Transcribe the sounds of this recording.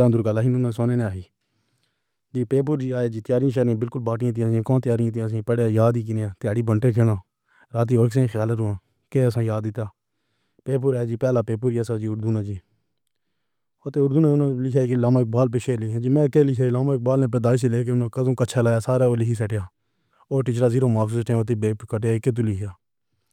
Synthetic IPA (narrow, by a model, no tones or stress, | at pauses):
ãːnd̪ʊɾɡaːlaːɦɪnʊnãːsoːnẽːnẽaːɦiː | d͡ʒiːpeːp̬ʊɾd͡ʒiːaːjaːd͡ʒiːt̪ɪjaːɾiãːʃɛɾãːbɪlkʊlbaːʈɪjãːt̪iãːkõːt̪ɪjaːɾɪãt̪ĩːsĩːpəɽaːjaːd̪iːk̬ɪnejãːt̪ɪjaːɽiːbʱəɳʈeːkʰeːɽãː | ɾaːt̪̬iːoːɾksẽxjaːləʊːãː | keːəsãːjaːd̪ːɪt̪jaː | peːp̬ʊɾaːjːd͡ʒiːpɛːlaːpeːp̬ʊɾiasaːd͡ʒiːʊɾd̪uːnãːd͡ʒiː | oːt̪eːʊɾd̪uːnãːʊnãːlɪkʰaːiklaːmãːɪk̚baːlp̬eːʃeːɾlɪkʰãːd͡ʒiːmɛ̃ːkeːlɪkʰjaːɪlaːmãːɪk̚baːlnẽːp̬əd̪aːɪseleːk̬eːʊnãːkəzõːkəːt͡ʃʰaːlaːjaːsaːɾaːoːlɪkʰiːsɛʈejaː | oːɾʈɪt͡ʃɾaːziːɾoːmaːksuːsʈʰẽoːt̪eːbeːpkəʈeaːɪkːet̪̬ulɪkʰjaː